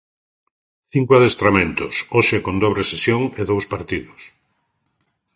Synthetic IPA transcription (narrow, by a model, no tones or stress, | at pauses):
θiŋkwaðest̪ɾamẽnt̪ʊsoʃekond̪ɔβɾesesjoŋeðowspaɾt̪iðʊs